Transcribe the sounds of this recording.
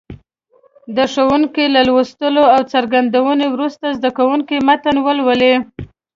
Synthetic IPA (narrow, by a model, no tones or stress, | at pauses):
d̪əʂowuŋkelalwost̪əloawt͡saɾɡand̪awənewɾust̪azd̪akawuŋkemat̪anwəlwəle